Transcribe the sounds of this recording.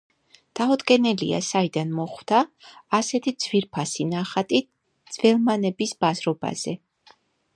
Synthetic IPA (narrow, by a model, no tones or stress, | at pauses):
d̪̥aɔd̪ɡʼɛnɛlḭa̰said̪anmɔχwd̪̥aːsɛt̪ʰid̪z̥viɾpʰasinaχat̪ʼit̪̚ | d̪z̥vɛlˠmanɛbisb̥azɾɔba̰z̥ɛ